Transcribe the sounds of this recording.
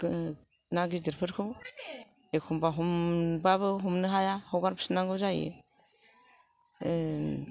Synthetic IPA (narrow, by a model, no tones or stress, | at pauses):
naɡidiɾpʰɯɾkʰɯ | ekʰumbaɦumbaβɯɦumnɯɦajahɔɡaɾpʰi̥sɯnaŋɡɯzajḛ